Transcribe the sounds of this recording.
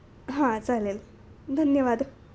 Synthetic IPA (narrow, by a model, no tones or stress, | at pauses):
ɦãt͡salel | d̪ʱənjəʋaːd̪